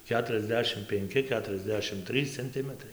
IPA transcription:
ˌkʲæːtʊrʲɛzʲˈdʲæːʃʲɪm pʲɛŋʲˈkʲɪ ˌkʲæːtʊrʲɛzʲˈdʲæːʃʲɪm ˈtʲrʲiːs t͡sʲɛnʲˈtʲɪmətrɐɪ

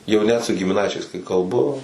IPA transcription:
jɛʊ ˈnʲɛt sʊ ɡʲɪmʲɪˈnɐɪt͡ʃʲɛɪs kɐɪ kɐlˠˈbʊ

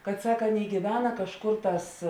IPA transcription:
kɐt ˈsɐk ˈɑːˌnʲeːɪ ɡʲiːˈʋʲæːnɐ kɐʃˈkoːr ˈtɑːs

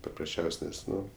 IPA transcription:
pɐprɐsʲˈt͡ʃʲɛʊsʲ ˈnʲɛs ˈnʊ

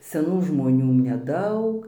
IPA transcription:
sʲɛˈnuː ʒmoːˈnʲuː nʲɛˈdɐʊk

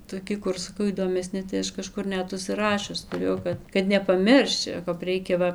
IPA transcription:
toːˈkʲɪ ˈkʊr sɐˈkɐʊ iːdoːmʲɛˈsʲnʲɪ tɐɪ ˈɐʃ kɐˈʃkʊr ˈnʲɛt ʊʃʲsʲɪˈrɑːʃʲʊs tʊˈrʲeːjɛʊ kɐt kɐt nʲɛpɐˈmʲɪrʲʃʲt͡ʃʲɛʊ kɐp ˈrʲɛɪkʲɛ ˈʋɐ

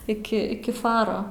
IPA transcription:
ɪkʲɪ ˈɪkʲɪ ˈfɑːroː

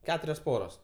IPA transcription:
ˈkʲæːtʊrʲoːs ˈpoːroːs

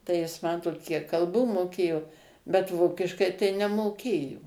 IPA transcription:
tɐɪ ˈjɪs ˈmɑːtoːt ˈkʲiɛk kɐlˠˈbuː moːˈkʲeːjoː bʲɛt ˈʋoːkʲɪʃkɐɪ tɐɪ nʲɛmoːˈkʲeːjoː

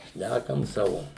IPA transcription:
ˈʃʲnʲækɐm ˈsɑːʋoː

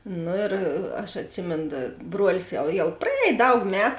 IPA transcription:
ˈnoː ɪr ɐʃ ɐtʲˈsʲɪmʲeːn dɐ ˈbruɔlʲɪs jɛʊ jɛʊ prɐˈɛːj ˈdɐʊk ˈmʲæːtʊ

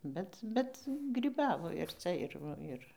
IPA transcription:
ˈbʲɛt ˈbʲɛt ɡrʲiːˈbɑːʋoː ɪr ˈt͡sɐ ɪr ˈʋɐ ɪr

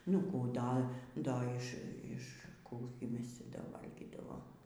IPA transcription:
nʊ ˈkuː ˈdɐ ˈdɐ ɪʃ ɪʃ ˈkuː ɡʲɪ ˈmʲɛs ˈt͡sʲɛ ˈdɐ ˈʋɐlʲɡʲiːdɐʋoːm

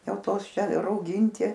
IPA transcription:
ˈjɛʊ ˈtoːs ˈt͡ʃʲɛ rɐʊˈɡʲiːɪnʲtʲɪ

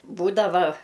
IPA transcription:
ˈbuːdɐʋɐ

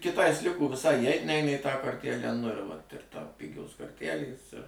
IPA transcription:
kʲɪˈtɐɪs ˈlʲɪkoː ʋʲɪˈsɐɪ iːˈɛɪt ˈnʲɛɪnɐ iː tɑː koːrʲˈtʲælʲæː nʊ ɪr ˈʋɐt ɪr ˈtɐʊ ˈpʲɪɡʲoːs koːrʲˈtʲælʲeːs ɪr

